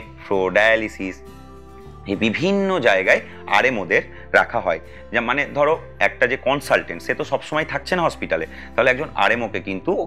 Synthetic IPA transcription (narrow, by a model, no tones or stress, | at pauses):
fɾoɖajalisis | ebibʱinːod͡ʑaeɡae | a̰ɾemod̪eɾː | a̰kʰaɦɔe | d͡ʑamaned̪ʱɔɾo | ɛk̚ʈad͡ʑekɔnsalʈeɳʈʃet̪oʃɔbʃomɔjt̪ʰak̚t͡ɕʰenaɦɔspiʈale | t̪aɦoleɛk̚d͡ʑona̰ɾemokekint̪u